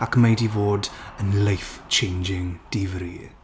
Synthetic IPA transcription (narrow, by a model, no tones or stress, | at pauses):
akʰmejdivoːdənlajft͡ʃʰẽjnd͡ʒɪŋd̥ivɾiː